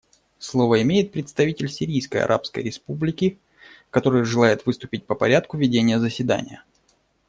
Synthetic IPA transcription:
slˠo̞vəɪmʲejɪt̪̚pɾʲɪt̪st̪ɐvʲitʲɪlʲsʲɪɾʲijskə̰jɐ̰ɾʔa̰pskə̰jɾʲɪspublʲɪkʲɪ | kɐt̪o̞ɾɨjʐɨlˠajɪt̪vɨst̪ʊpʲɪt̚ʲpəpɐɾʲat̪̚kʊvʲɪdʲenʲɪjəzəsʲɪd̪a̰nʲɪ̰jə

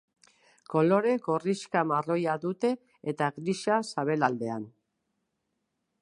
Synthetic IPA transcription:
ko̞lo̞ɾe̞ko̞riʃkamaro̞jaðut̪e̞ː | t̪aɣɾiʃasaβe̞lald̪e̞an

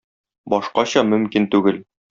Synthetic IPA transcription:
bɒʃqɑɕɒmɵ̆mkint̪ʉɡɘl

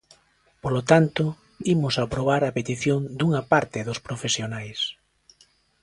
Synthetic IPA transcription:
polot̪ant̪ʊ | imʊsapɾoβ̞aɾɐpet̪iθjoŋd̪uŋɐpaɾt̪ɪðʊspɾofesjonajs

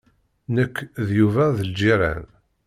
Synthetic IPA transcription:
nəkːðjuvæðəld͡ʒiɾˤæ̰n

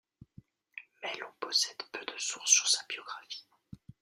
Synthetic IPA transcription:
mɛlɔ̃pɔsɛd̪̥pød̪əsuʁsːyʁsabjɔɡʁafi̥

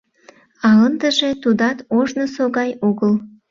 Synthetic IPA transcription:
ɑənd̪əʒet̪ud̪ɑt̪oʒnəsoɣɑjoɣəl

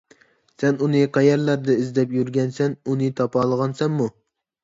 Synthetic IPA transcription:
sɛnunɨqʰæjɛɾlæɾd̪ɛizd̪ɛpjyɾɡʲɛnsɛnunɨt̪ʰɑpʰɑːlˠəʁɑnsɛnmu

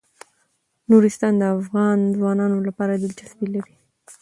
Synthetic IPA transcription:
nuɾɪst̪ɑnd̪əafɣɑnzwɑnɑnolapɑɾad̪ɪlt͡ʃasbilaɾi

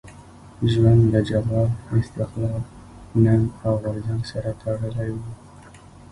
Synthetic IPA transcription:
ʒwand̪ləd͡ʒamɑɪst̪ɪxlɑk | nand̪awɣʊɾzaŋɡsaɾat̪ʰəɽəlajwu

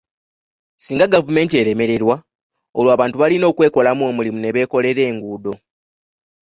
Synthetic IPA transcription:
siːŋɡaɡavume̞ːntie̞ɾe̞me̞ɾe̞ɾwa | o̞lwaːβaːntuβalino̞ːkwe̞ːko̞lamuomulimune̞βe̞ːko̞le̞ɾe̞ːŋɡuːdo̞

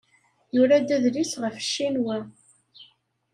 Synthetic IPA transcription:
jʊɾæd̪æðlisʁəfʃːinwæ

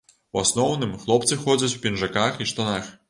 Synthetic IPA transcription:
wasnɔwnɨmxlˠɔpt̪sɨxɔd͡zʲɐt͡sʲwpʲinʐakaxiʂt̪anax

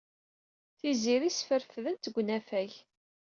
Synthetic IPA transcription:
θiziɾisfəɾfðənt̪əɡʷnæfæç

